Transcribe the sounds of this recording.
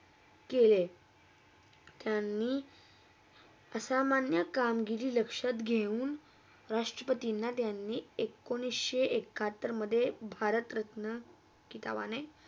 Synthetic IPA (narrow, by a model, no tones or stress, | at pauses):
kele | t̪janːiː | əsamanjəkamɡiliːləkʂat̪ɡʱeuːn | ɾaʂʈɾəpət̪inːat̪janːiːekːoñisɕeʔekʰːat̪ːəɾməd̪ʱːjebʱaɾət̪ɾət̪nə | kit̪a̰ʋa̰naj